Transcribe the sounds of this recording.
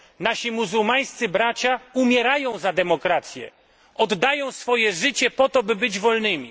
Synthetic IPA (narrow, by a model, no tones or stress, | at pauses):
naɕimuzuwmaj̃st̪sɘbɾat͡ɕaumʲjɛɾajɔ̃w̃zad̪ɛmɔkɾat̪sʲjɛ̰ | ɔd̪ːajɔ̃w̃sfɔjɛʐɘt͡ɕɛpɔt̪ɔbɘbɘd͡ʑvɔlnɘmʲi